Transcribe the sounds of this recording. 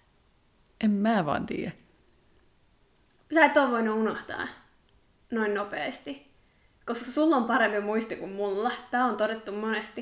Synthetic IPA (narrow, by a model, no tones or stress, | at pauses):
ʔemmæːʋɑ̰ːnt̪ḭːjæ | sæːet̪ːoʋʋoinuunoht̪ɑ̰ː | noinnopḛːst̪i | koskɑsulːompɑɾempimuist̪ikummulːɑt̪æːont̪odet̪ːummonest̪i